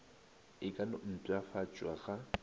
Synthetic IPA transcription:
ɪkʼanʊn̩tʼwafat͡ʃʼwaɣa

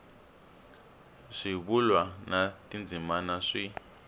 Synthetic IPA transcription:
ʂiβulwanatind͡zimanaʂi

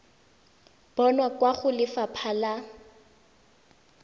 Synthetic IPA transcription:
b̥ɔnwakwaχʊlɪfapʰala

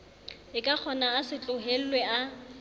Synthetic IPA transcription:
ɪkʼak͡xʰɔnaːsɪt͡ɬʼʊɦel̩lwea

